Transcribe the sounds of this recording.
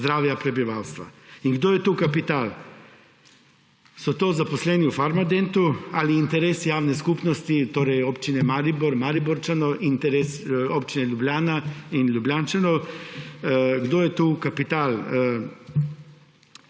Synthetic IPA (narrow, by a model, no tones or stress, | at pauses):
d̪ɾaːʋjapɾɛbiʋaːwst̪ʋa̰iŋɡd̪oːjɛt̪ukapit̪aːl | sɔt̪oːzaposlɛːniufaɾmad̪ent̪ualiːnt̪ɛɾeːsjaːwnɛskupnɔst̪it̪oːɾɛjoːpt͡ʃinɛmaːɾiboɾmaɾibɔɾt͡ʃanɔʔint̪ɛɾesopt͡ʃinɛljublʲjaːnainlʲubljaːnt͡ʃanɔw | ɡd̪oːjɛt̪uːkapit̪aːl